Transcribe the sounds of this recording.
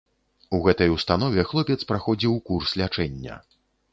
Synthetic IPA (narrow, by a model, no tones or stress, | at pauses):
uɣɛt̪ɐjuwst̪anɔvʲɛxlˠɔpʲɛt̪spɾaxɔd͡zʲiwkurslʲat͡ʂɛnʲːɐ̰